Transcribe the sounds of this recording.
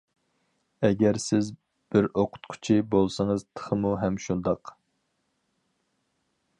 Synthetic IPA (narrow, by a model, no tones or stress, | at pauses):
ɛɡʲɛɾsɪz | b̥ɪɾoqʰʊ̥t̪qʰʊ̥t͡ʃʰibolˠsɨŋəzt̪ʰə̥χəmuɦɛmʃund̪ɑq